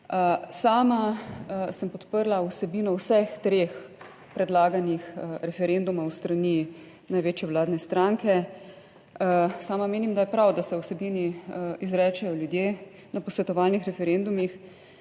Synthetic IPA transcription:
əsaːma | səmpɔt̪pəɾlawsɛbiːnɔwsɛxt̪ɾeːx | pɾɛd̪laːɡanixɾɛfɛɾend̪umawst̪ɾani | najʋeːt͡ʃjɛwlaːd̪nɛst̪ɾaŋkɛ | saːmameːnimd̪ajɛpɾawd̪asɛwsɛbiːniizɾɛːt͡ʃɛjɔljud̪jeː | napɔsʋɛt̪ɔʋaːlnixɾɛfɛɾend̪umix

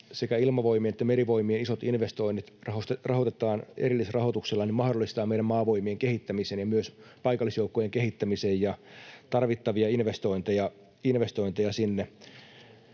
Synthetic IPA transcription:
sekæilmɑʋo̞imienet̪ːæmeɾiʋo̞imienisot̪inʋest̪o̞inːit̪rɑhost̪rɑhot̪et̪ˑɑːnerilːisrɑhot̪ukselːɑnimɑhdolːˑist̪ɑːmeiɾæmmɑːʋo̞imieŋkehit̪ːæmiseːnjɑmyøspɑikɑlːˑisjoukːojeŋkehit̪ːæmisejjɑt̪ɑrʋit̪ːɑʋiɑinʋest̪o̞int̪ejɑ | inʋest̪o̞int̪ejɑsinːe

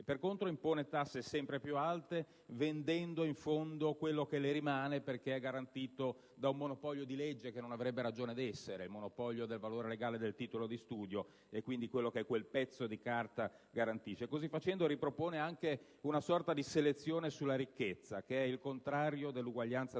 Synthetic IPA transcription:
perkont̪ɾoimpoːnet̪asːesɛmpɾepjualt̪e | vend̪ɛnd̪oiɱfond̪okwelːokeleɾimaːneperk̟eɛɡːaɾant̪iːt̪o | d̪aumːonopɔʎːod̪iled͡ʒːekenːonavɾɛbːeɾad͡ʒoːned̪ɛsːeɾeilmonopɔʎːod̪elvaloːɾeleɡaːled̪elt̪iːt̪olod̪ist̪uːd̪jo | ekːwind̪ikwelːokeɛkːwelpɛt̪sːod̪ikart̪a | ɡaɾant̪iʃːekozifat͡ʃɛnd̪oɾipɾopoːneaŋke | unasɔrt̪ad̪iselet̪sːjoːnesulːaɾikːet̪sːakeɛilkont̪ɾaːɾjod̪elːuɡwaʎːant̪sa

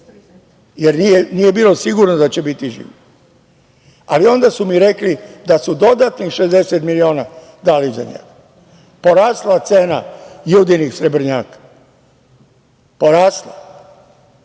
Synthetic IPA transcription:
jeɾnijenije̞biːlo̞siɡuɾnod̪at͡ɕebit̪iʒḭːʋi | alio̞nd̪asumiɾe̞klid̪asud̪o̞d̪at̪nixʃezd̪e̞set̪milio̞ːna | d̪aliza̰ɲḛɡa | po̞ɾaːslat̪seːna̰juːd̪inixsɾebɾ̩ɲaːkḁ | poɾaːsla

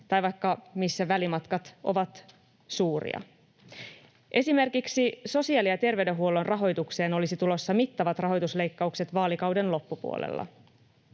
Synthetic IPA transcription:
t̪ɑjʋɑjkːɑmisːæʋælimɑt̪kɑt̪ʔo̞̰ʋɑt̪ | suːrḭɑ̰ | ʔe̞sime̞rkiksiso̞siɑːliɑt̪e̞rʋe̞ɥde̞ɦuolo̞nrɑɦo̞jt̪ukse̞ːno̞lisit̪ulo̞sːɑmit̪ːɑʋɑt̪rɑɦo̞jt̪usle̞jkːɑukse̞t̪ʋɑːlikɑwde̞nlo̞pːupṵo̰lḛlːɑ̰

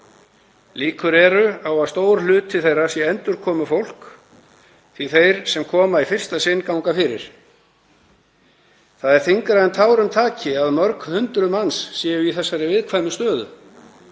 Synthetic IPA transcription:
liːkʏɾɛɾʏawaðst̪oːwɾlʏːt̪t̪ʰːɪlθejrasjɛɛnt̪ʏɾkʰɔːmʏfowl̥k | θiθejɾ̥sɛmkʰɔːmaifɪr̥st̪asɪnːkawŋkafɪɾɪ̰ɾ̥ | θaðɛɾ̥θiŋkɾaðɛnt̪ʰaːwɾʏmt̪ʰaːcɪaðmœɾkhʏnt̪ɾʏmansːjɛːjʏiθɛsːaɾɪvɪðkʰvajmʏst̪œːðʏ̰

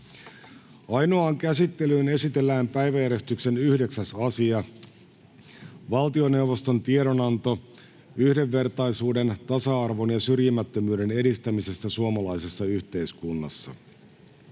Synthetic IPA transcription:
ɑjno̞ɑːŋkæsit̪ːe̞lyːne̞sit̪e̞lːæːmpæjʋæjæɾe̞st̪ykse̞nyhde̞ksæsɑsiɑ | ʋɑlt̪io̞ne̞uwʋo̞st̪o̞nt̪ieɾonɑnt̪o̞ | yhde̞ʋːe̞rt̪ɑjsuːdent̪ɑsɑɑrʋo̞njɑsyrjimæt̪ːømyːde̞ne̞dist̪æmise̞st̪æsuomɑlɑjse̞sːɑyçt̪e̞iskunːɑsːɑ̰

